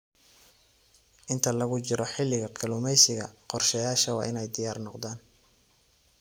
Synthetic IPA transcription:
ʔɪnt̪ʰɐlɐɣʊt͡ʃɪɾɔħɪlːɪɣɐkʰɐlʊmɛjsɪɣɐqɔrʃɛjaːʃɐwɑ̰ːʔɪnɛjd̪ɪjaːrnɔqd̪aːn

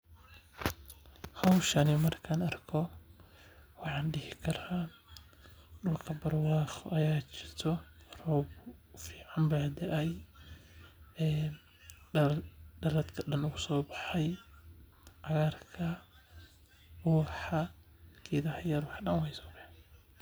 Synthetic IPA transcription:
hɐwʃɐnimɐrkʰɐːnɐrkʰɔ | wɑħɑːnɖɪhɪkʰɐɾa | ɗʊlkʰɐbɐrwɑːxɔʔɐjaːt͡ʃɪrt̪ʰɔrɔːbfiːʕambad̪ɛʔɐj | ɛ | ɖɐlɐd̪kʰɐɗɐnʊɡʊsɔːbɑħɛj | ʕaɣarkʰɐ | ɔħɐ | kʰiːðɐhɐjɐɾwɑħɗɐnwɛjsɔ̥ːbɑħ

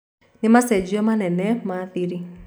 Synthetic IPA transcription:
nimasɛd͡ʒiɔmanɛnɛmaθiɾi

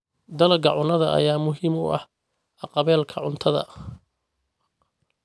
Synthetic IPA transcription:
d̪ɐlɐɡɐʕʊnɐðɐʔɐ̰jaːmʊɦiːmʊ̰ʔɐ̰h | ʔɑqɑβɛːlkʰɐʕʊnt̪ʰɐðɐ̰

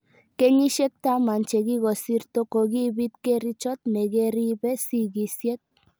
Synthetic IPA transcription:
keɲiʃek̚t̪amant͡ʃeɣiɣosiɾt̪okoɣiβit̪kerit͡ʃot̪̚neɣeriβesiɣisiet̪̚

